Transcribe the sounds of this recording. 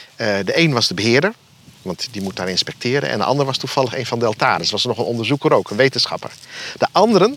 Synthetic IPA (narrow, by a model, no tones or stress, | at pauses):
dəʔejnʋɑzdəbəɦɪəɹdəɹ | ʋɑntdimut̚daːɹɪnspɛk̚tʰɪːɾə̰nɛ̰ndə̰ʔɑ̰ndəɹʋɑstufɑlˠəxḛjnfɑndəɑlˠtaːɾəsʋɑsənɔχənɔndəɹzukərowkənʋejtənsxɑ̰pə̰ɹd̥əʔɑndəɾən